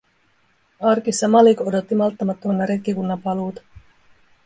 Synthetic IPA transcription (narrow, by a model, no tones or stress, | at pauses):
ɑrkisɑmɑliko̞do̞t̪ːimɑlt̪ːɑmɑt̪ːonːɑɾekːikunːɑpɑluːt̪ɑ̥